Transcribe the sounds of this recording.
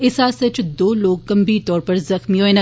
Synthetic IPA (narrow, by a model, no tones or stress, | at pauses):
ɪsaːsɐt͡ʃʰd̪oːloːɡ̚kɐ̃mbit̪ɔːɾpɐɾzɐxmioːenɐ